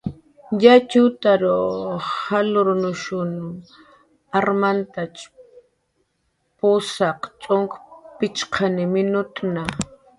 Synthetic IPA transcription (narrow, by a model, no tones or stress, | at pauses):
jat͡ʃʊt̪aɾohalʊɾʊnʊʃʊn | aɾmant̪at͡ʃ | pʊsaqt͡ʃʼoŋkpɪt͡ʃqʰanɪmɪnʊt̪na